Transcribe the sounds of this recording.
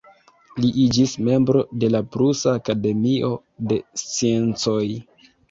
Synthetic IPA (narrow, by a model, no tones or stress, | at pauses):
liʔid͡ʒisme̞mbɾo̞de̞lapɾusaːkade̞miʔo̞ | de̞st͡sie̞nt͡so̞j